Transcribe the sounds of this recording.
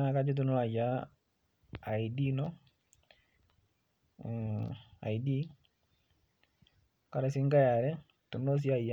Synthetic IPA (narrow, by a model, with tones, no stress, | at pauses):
a˨˦ka˦d͡ʒu˦t̬u˨˦nʊ˦la˨ja˦ | a˨i˨di˦nɔ˦ | a̰˨i˨di˦ | ka˦ɾɛ˨sɪ˦ŋɡa˦ja˨ɾɛ˦ | tu˨nɔ˦s̬i˦a˦˨i˨a˦